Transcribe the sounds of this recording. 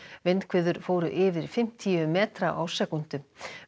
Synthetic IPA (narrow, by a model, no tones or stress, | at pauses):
vɪnkʰvɪːðʏɾ̥foːwɾʏʔɪːvɪɾ̥fɪm̥t̪ʰiːʏmɛːt̪ɾaʔawsɛkun̥t̪ʏ